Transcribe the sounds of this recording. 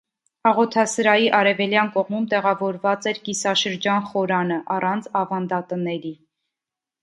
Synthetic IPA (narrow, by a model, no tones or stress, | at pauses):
ɑʁɔt̪ʰɑsəɾɑjiʔɑɾɛvɛljɑnkɔʁmumt̪ɛʁɑvɔɾvɑt͡sɛɾkisɑʃəɾd͡ʒɑnχɔɾɑnəʔɑrɑnt͡sʰɑvɑnd̪ɑt̪ənɛɾi